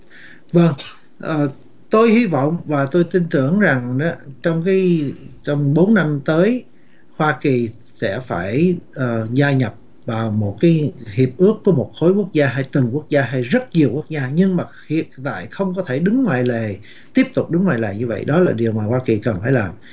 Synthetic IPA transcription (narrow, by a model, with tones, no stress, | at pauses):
və˧ŋ | ʔəː˨˩ | t̪o˧jhi˧vɔ̰˧˨wŋ͡mvaː˨˩t̪o˧jt̪i˧nt̪ɨ˧˩əŋza˨˩ŋa˨˦t͡ɕɔ˧wŋ͡mkaː˨˦jt͡ɕɔ˧wŋ͡mɓo˨˦nːa˧mt̪əː˨˦j | hwaː˧ki˨˩ | sɛ̰˧˥faː˧˩jʔəː˨˩zaː˧ɲə˨˩p̚ | vaː˨˩wmo˨˩t̚kaː˨˦jhi˨˩əp̚ʔɨ˦˥əkːu˧˩əmo˨˩t̚xo˨˦jku˦˥ək̚zaː˧ɦaː˧jt̪ɨ˨˩ŋku˦˥ək̚zaː˧ɦa˧jzə˦˥t̚ɲi˨˩əwku˦˥ək̚zaː˧ɲɨ˧ŋmaː˨˩hḭ˨ətt̪a̰ː˧˨jxə˧wŋ͡mkɔ˨˦t̪ʰe˧˩ɗɨ˨˦ŋŋwa̰ː˧˨jle˨˩ | t̪i˦˥əp̚t̪ʊ˨˩k͡p̚ɗɨ˨˦ŋwa̰ː˧˨jlḛː˨˩ɲɨ˧və̰˧˨jɗɔ˨˦laː˨˩ɗi˨˩əwmaː˨˩hwaː˧ki˨˩kə˨˩nfaː˧˩jlaː˨˩m